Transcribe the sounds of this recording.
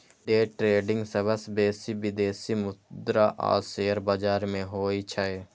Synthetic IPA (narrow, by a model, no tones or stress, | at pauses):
ɖeːʈɾeːɖɪ̃ŋɡsəʋəsbeːsibɪd̪eːsimʊd̪ɾaʔa̰ːseːəɾbad͡ʒaːɾmẽɦoːit͡ʃʰae